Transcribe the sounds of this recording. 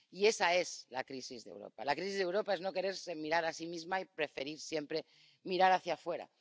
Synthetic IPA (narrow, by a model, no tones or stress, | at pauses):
ie̞sae̞zlakɾisizðe̞̰wɾo̞̰pa̰lakɾisizðe̞wɾo̞pae̞zno̞ke̞ɾe̞ɾsemiɾaɾasimizmaipɾe̞fe̞ɾiɾsje̞mpɾe̞ | miɾaɾaθjafwe̞ɾa̰